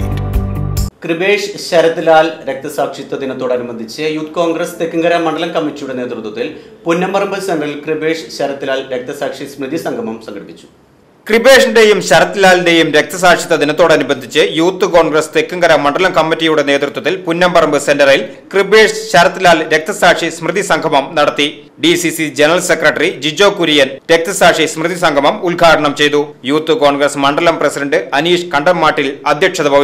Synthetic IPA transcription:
krɨbeːʂɕɐɾɐt̪ːilaːlɾek̚t̪ɐsaːkʂit̪ːɐd̪inɐt̪ːoːɽɐnubɐd̪ʱit͡ɕːɨjuːt̪ːɨko̞ːŋɡrɐst̪ekːuŋɡɐɾamːɐɳɖɐlɐmkɐmːitːijuɽe̞ne̞ːt̪rut̪wɐt̪ːilpunːɐmbɐrɐmbɨsendɐrilkribe̞ːʂɕɐɾɐt̪ːilaːlɾek̚t̪ɐsaːkʂismrid̪isɐŋɡʱɐmɐmsɐŋɡɐɽipːit͡ɕːu̥ | kribe̞ːʂɐnde̞jumɕɐɾɐt̪ːilaːlinde̞jumɾe̞k̚t̪ɐs̬aːkʂit̪ːɐd̪inɐt̪ːo̞ːɽɐnubɐnd̪ʱːit͡ɕːɨjuːt̪ːɨkoːɳɡrɐst̪ekːuŋɡɐɾɐmːɐɳɖɐlɐmkɐmːitːijuɽe̞ne̞ːt̪rut̪wɐt̪ːilpunːɐmbɐrɐmbɨse̞ndɐril | kribeːʂɕɐɾɐt̪ːilaːlɾe̞k̚t̪ɐsaːkʂismrɨðisɐŋɡʱɐmɐmnɐɽɐt̪ːi | ɖisisid͡ʑenɐrɐlse̞krɐʈːɐrid͡ʑid͡ʑo̞ːkːuɾijɐnɾe̞k̚t̪ɐsaːkʂismrɨðisɐŋɡʱɐmɐmulɡʱaːʈɐɳɐmt͡ɕe̞jt̪ujuːt̪ːɨkoːɳɡrɐsmɐɳɖɐlɐmprɐsidɐɳɖɨɐniːʂkɐɳɖɐmːaːʈːilɐd̪ʱjɐkʂɐðɐbʱɐʋi

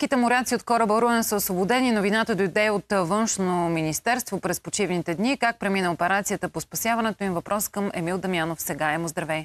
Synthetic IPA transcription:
kit̪ɛmoɾʲat̪siot̪kɔɾəbəɾuɛnsəosvobod̪ɛninovinat̪əd̪oid̪ɛjot̪vɤnʃnominist̪ɛɾst̪vopɾɛspot͡ʃivnit̪ɛd̪nikak̚pɾɛminəopɛɾat̪sijət̪əpospɐsjavɐnɛt̪oimvɐpɾɔskɤmɛ̰milˠd̪ɐmjanofsɛɡaɛmozd̪ɾɐvɛj

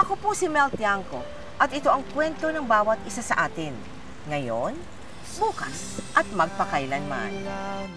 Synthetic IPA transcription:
ʔɐkopusɪmɛlt̪iaŋko̞ | ʔɐt̪ɪt̪o̞ʔɐŋkwɛnt̪o̞nɐŋbaːwɐt̪ʔɪsasɐʔaːt̪ɪn | ŋɐjon | buːkɐs | ʔɐt̪̚mɐɡ̚pɐkajlɐnma̰n

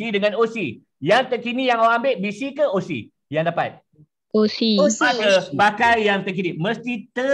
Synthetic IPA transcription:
idəŋãnosi | jaŋt̪əkinijaŋowambeʔ̚bisikəosḭ | jaŋdapa̰t̪̚ | osionakəbakaljaŋt̪ək̬iniməst̪it̪ə

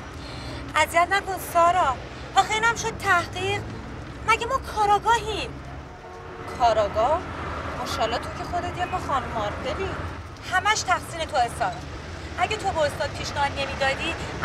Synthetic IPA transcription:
ʔæzijæt̪ʰnæko̞nsɒːɾɒː | ʔɒːxeiːnæmʃo̞d̪̥̚t̪ʰæhɢiːʁ | mæɟemɒːkʰɒːɾɒɡɒːɦim | kʰɒːɾɒːɡɒhmoʃɒːlːɒːt̪ʰo̞cʰexo̞d̪et̪ijemɒxɒːnmɒɾbeni | hæmæʃt̪ʰæxsiːne̞t̪ʰoesɒːɾɒ | ʔæɟet̪ʰo̞bɒost̪ɒːd̪̚pʰiːʃnæɦɒːd̪ne̞miːd̪ɒːd̪i

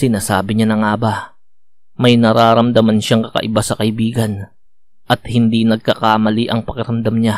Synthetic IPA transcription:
sɪnaːsa̰ːbɪɲanɐŋaːba | mɐjnɐɾaːɾɐmd̪ɐmɐnʃaŋkɐkɐ̰ʔɪbasɐkɐʔɪbiːɡɐn | ʔɐt̪̚hɪnd̪inɐɡ̚kɐkaːmɐliʔɐŋpɐkɪɾɐmd̪amɲa

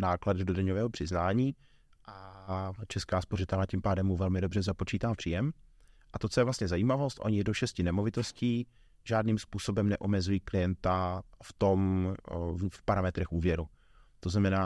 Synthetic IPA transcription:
naːkladdodaɲovɛːɦopr̝̥ɪznaːɲiː | ʔat͡ʃɛskaːspo̞rɪt̪ɛlnacimpaːdɛmːuvɛlmɪdobr̝ɛzapo̞t͡ʃiːt̪aːpr̥iːjɛm | ʔat̪o̞t͡sojɛvlast̪ɲɛzajiːmavo̞st̪ʔo̰ɲɪdoʃɛscɪnɛmo̞vɪt̪o̞sciː | ʒaːdniːmspuːso̞bɛmnɛʔo̞mɛzujiːklɪjɛnt̪aft̪o̞m | fpaɾamɛt̪ɾɛxʔuːvjɛɾu | t̪oznamɛnaː

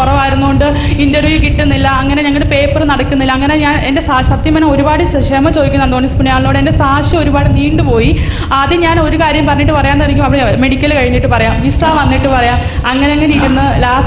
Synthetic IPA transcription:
urɐʋaːjiɾunːuɣo̞ɳɖɨ | indɐrʋjukiʈːunːilːɐːŋːɐne̞ɲɐŋːɐɭpe̞ːpːɨrnɐɽɐkːunːilːɐːŋːɐne̞ɲaːnende̞sasɐt̪jɐmɐnɐmo̞ɾubaːɽɨ | ɕemɐt͡ɕo̞ːðikʲːunːaːnd̪oːnispuɳːiaːɭnoːɽɨende̞saːʂio̞ɾubaːɽɨniːɳɖɨpo̞ːji | ɐðiɲaːno̞ɾukaːɾjɐmpɐrɐɲːiʈːɨpɐrɐjaːnɐriŋʲɡimɐʋiɽeme̞ɽikʲːɐlkɐɻiɲːiʈːɨpɐrɐjaːmʋisaːʋɐnːiʈːɨpɐrɐjaːmɐŋːɐne̞ɐŋːɐneiɾunːɨlaːs

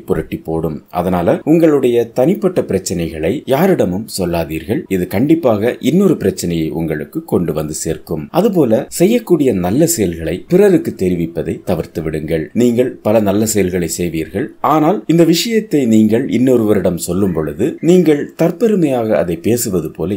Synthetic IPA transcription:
pʊɾɐʈːipːoːɽɯmʔɐ̰ðɐnaːlɐʊŋɡɐɭɯɽɐjɐt̪ɐnɪpːɐʈːɐpɪɾɐt͡ʃːɐnɐɪɣɐɭɐɪjaːɾɪɽɐmɯmsɔlːaːðiːɾɣɐɭɪðɯkɐɳɖɪpːaːɣɐʔɪnːoɾɯpɪɾɐt͡ʃːɐnɐjɐɪʔʊ̰ŋɡɐɭɯkːɯkːɔɳɖɯʋɐnd̪ɯseːrkɯmʔɐðɯp̬oːlɐsɛjːɐkːuːɽɪjɐnɐlːɐsɛjɐlɣɐɭɐɪpɪrɐɾɯkːɯt̪ːɛɾɪʋɪpːɐðɐɪt̪ɐʋɐɾt̪ɯʋɪɽɯŋɡɐɭniːŋɡɐɭpɐlɐnɐlːɐsɛjɐlɣɐɭɐɪsɛjʋiːɾɣɐɭaːnaːlɪnd̪ɐʋɪʂɐjɐt̪ːɐɪniːŋɡɐɭɪnːoːɾɯʋɐɾɪɽɐmsɔlːɯmpɔɻɯðɯniːŋɡɐɭt̪ɐrpɛɾɯmɐjaːɣɐɐðɐɪpːeːsɯʋɐðɯpoːlɐ

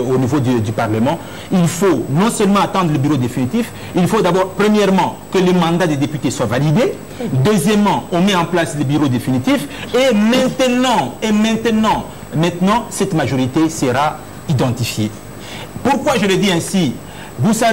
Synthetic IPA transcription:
onivod̪d̪ypaʁləmɑ̃ | ilfonɔ̃sœlmɑ̃at̪ɑ̃d̪ʁləbyʁod̪efinit̪if | ilfod̪abɔʁpχəmjɛʁmɑ̃ | kələmɑ̃d̪ad̪ed̪epyt̪eswavalid̪e | d̪øzjɛmːɑ̃ɔ̃mɛɑ̃plasləbyʁod̪efinit̪ifemɛ̃t̪nɑ̃emɛ̃t̪ənɑ̃ | mɛ̃t̪nɑ̃sɛt̪maʒoʁit̪esəʁa | id̪ɑ̃t̪ifje | puʁkwaʒələd̪iɛ̃si | vusa

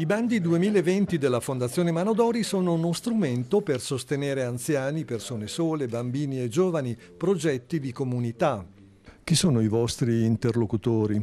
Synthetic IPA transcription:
iband̪id̪uemiːlevent̪id̪elːafond̪at̪sːjoːnemanod̪ɔːɾisoːnounost̪ɾument̪opersost̪eneːɾeant̪sjaːnipersoːnesoːlebambiːnied͡ʒoːvani | pɾod͡ʒɛt̪ːid̪ikomunit̪a | k̟isoːnoivɔst̪ɾiːnt̪erlokut̪oːɾi

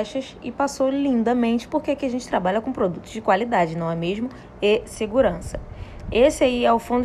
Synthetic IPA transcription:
ɛʃɐʃɪpasolĩnd̪ɐmẽnt͡ʃɪ̥poɾkeɛkɪaʒẽnt͡ʃɪt̪ɾabaʎɐkõpɾod̪ut̪ʊzd͡ʒɪkwalid̪ad͡ʒɪnɐ̃w̃ɛmeʒmʊ | eseɡuɾɐ̃sɐ̥esɪaiɛʊfõnd̪ʊ

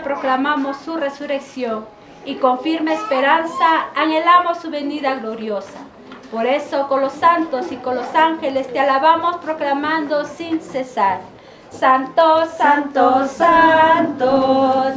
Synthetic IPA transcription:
pɾoklamamosːure̞suɾeksjoŋ | iko̞ɱfiɾmeːspeɾansaːŋelamosːuβe̞niðaɣloɾjosa | poɾesokonlosant̪osikonlosaŋxelest̪ealaβamospɾoklamãnd̪osinsesaɾ | sant̪osant̪osant̪o

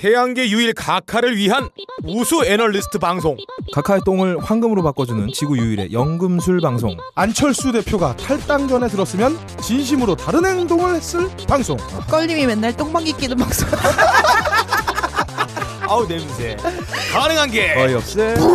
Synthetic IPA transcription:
te̞jaŋɡe̞juiɭkakʰaɾɯɭɥiɦanusʰuenʌɭːisʰɯ̥tʰɯpaŋs̬ʰoŋkakʰaet͈oŋɯɭhwaŋɡɯmɯɾopak͈ʌd͡ʑunɯnt͡ɕiɡujuiɾe̞̰jʌŋɡɯmsʰuɭbaŋs̬ʰo̰ŋ | ant͡ɕʰʌɭs͈ude̞pʰjoɡatʰaɭt͈aŋd͡ʑʌne̞tɯɾʌs͈ɯmjʌn | t͡ɕinɕ̬ʰimɯɾotaɾɯnhe̞ŋdoŋɯɭhe̞s͈ɯɭpaŋsʰo̰ŋk͈ʌʎːimimenːaɭt͈oŋbaŋɡik͈inɯnbaks͈o | aunemusʰekanɯŋɦanɡe̞ʌiʌɕe

